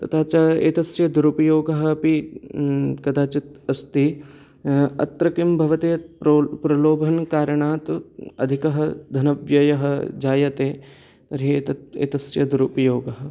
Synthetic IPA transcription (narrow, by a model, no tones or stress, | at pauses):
t̪ɐt̪ʰaːt͡ʃɐḛːt̪ɐsjɐd̪uɾupɐjoːɡɐɦɐpi | kɐd̪aːt͡ʃɐt̪ɐst̪i | ɐ̰t̪ɾɐkimbʱɐʋɐt̪eːpɾopɾɐloːbʱɐnkaːɾɐɳaːt̪ɐ̰d̪ʱikɐɦɐd̪ʱɐnɐʋjɐjɐɦɐd͡ʒaːjɐt̪eː | t̪ɐɾieːt̪ɐḛːt̪ɐsjɐd̪uɾupɐjoːɡɐɦɐ̆